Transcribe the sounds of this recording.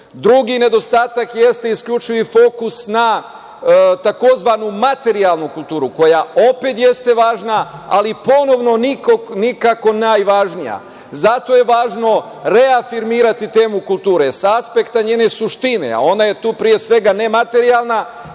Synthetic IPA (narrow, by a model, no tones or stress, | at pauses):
d̪ɾuɡine̞d̪o̞st̪aːt̪akje̞st̪e̞iskʎut͡ʃiʋifo̞kusna | t̪ako̞zʋanumat̪e̞ɾialˠnukulˠt̪uːɾuko̞jao̞pe̞t̪je̞st̪e̞ʋaːʒnaa̰lipo̞no̞ʋno̞nikonikako̞naːjʋaʒnija̰ | zat̪o̞je̞ʋaːʒno̞ | ɾe̞afiɾmiːɾat̪it̪e̞ːmukulˠt̪uːɾesaspe̞kt̪aɲeːne̞suʃt̪inḛa̰o̞naje̞t̪uːpɾije̞sʋe̞ɡane̞mat̪e̞ɾialˠna